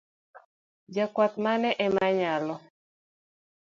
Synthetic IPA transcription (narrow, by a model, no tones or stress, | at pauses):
d͡ʒakwat̪manɛʔɛmaɲalɔ